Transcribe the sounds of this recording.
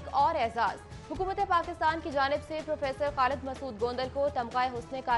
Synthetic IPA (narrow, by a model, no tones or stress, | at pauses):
kɔːɾɛːzaːz̥ | hʊkuːmət̪epaːkɪst̪aːnkid͡ʒaːnɪbsepɾoːfeːsəɾxaːlɪd̪mɐsuːd̪̚ɡõːnd̪əlkot̪ɐmqaːeɦʊsneka